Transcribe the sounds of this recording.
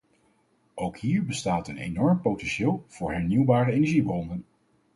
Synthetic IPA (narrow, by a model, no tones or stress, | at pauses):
ʔowkhiːɹbəstaːtənḛjnɔɹmpowtɛnʃɪːlˠv̥ʊːɹɦɛɹniwbaːɾəejnɛɹʒibrɔndən